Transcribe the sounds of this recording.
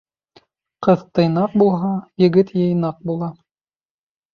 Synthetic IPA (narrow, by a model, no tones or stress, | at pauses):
qɤðt̪ɤ̆jnɑq̚bulˠɦɑjɘ̆ɡɘt̪jɤ̆jnɑq̚bulˠɑ